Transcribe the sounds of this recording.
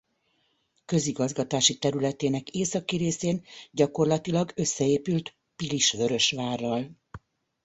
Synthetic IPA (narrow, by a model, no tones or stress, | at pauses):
kø̞ziɡɒzɡɒt̪aːʃit̪ɛɾylɛt̪eːnɛkeːsɒkiɾeːseːnɟɒko̞rlɒt̪ilɒɡø̞sːɛeːpylt̪ | piliʃʋø̞ɾø̞ʃʋaːrːɒl